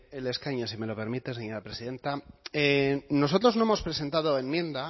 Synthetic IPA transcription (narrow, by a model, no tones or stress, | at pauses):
ele̞skaɲosime̞lo̞pe̞ɾmit̪e̞s̬eɲo̞ɾapɾe̞siðe̞nt̪aeno̞so̞t̪ɾo̞zno̞emo̞spɾe̞se̞nt̪að̞o̞e̞nmjẽ̞nd̪a